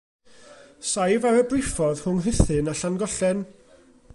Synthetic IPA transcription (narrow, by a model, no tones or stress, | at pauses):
sajvaɾəbrɪfɔð̥hʊŋɦɪθɨnaɬanɡɔɬɛn